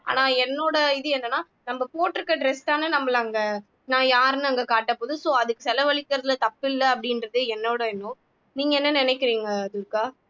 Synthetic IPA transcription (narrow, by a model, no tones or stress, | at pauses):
a̰ːnaːɛnːoːɽɐɪðɯɛnːɐnːaː | nɐmbɐpoːʈːɪɾɯkːɐɖɾɛsʈ̪aːnɯnɐmːɐlɐŋɡɐ | nãːjaːɾnɯɐŋɡɐkaːʈːɐpoːðɯsoːɐðɯkːɯ̥sɛlɐʋɐɭɪkːɪɾɐðɪlt̪ɐpːɪlːɐɐpːɐɽɪnɾɐðɯɛnːoːɽɐɪnːõ | niːŋɡɐɛnːɐnɪnɛkːɪɾiːŋɡɐd̪ʊɾkːaː